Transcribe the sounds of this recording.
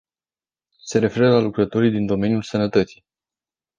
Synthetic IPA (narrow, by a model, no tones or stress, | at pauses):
se̞ɾe̞fe̞ɾəlalukɾət̪o̞ɾijd̪ind̪o̞me̞nijulsənət̪ət̪si